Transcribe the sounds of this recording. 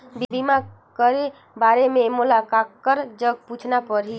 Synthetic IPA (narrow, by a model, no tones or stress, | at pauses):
bibʱima | kəɾe | baɾememulakakːəɾd͡ʒəɡ̚put͡ʃʰnapəɾɦi